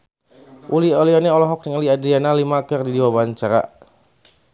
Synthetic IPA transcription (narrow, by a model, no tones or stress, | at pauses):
ʔuliɔliɔnɛɔlɔɦɔk̚dəŋaliadɾianalimakərdidiwabaɲt͡ʃaɾa̰